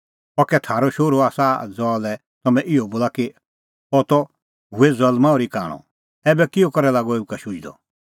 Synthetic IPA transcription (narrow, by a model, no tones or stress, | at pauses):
ɔkɛt̪ʰaːɾɔʃoːɾoaːsad͡zɔːlɛ | t̪ɐmɛ̃ʔɪɔboːlaki | ɔt̪ɔ | ɦuezɐlmãɔːɾika̰ːɽ̃ɔ̰ | ɛːbɛkɪokɔɾɛlaːɡɔeːukaʃʊd͡ʒd̪ɔ̰